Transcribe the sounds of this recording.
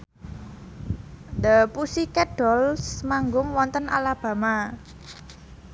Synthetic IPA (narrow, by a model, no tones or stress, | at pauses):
d̪əpusikɛɖ̥ɔlsmaŋɡʊŋwɔnt̪ənʔa̰lab̥a̤ma